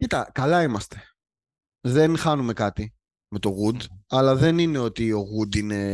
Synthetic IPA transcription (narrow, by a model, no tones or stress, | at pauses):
cit̪ɐ̰kɐlɐimɐst̪e̞̥ | ðe̞nxɐnume̞kɐt̪i | me̞t̪o̞ɣud̪ɐlɐðe̞nine̞o̞t̪io̞ɣud̪ine̞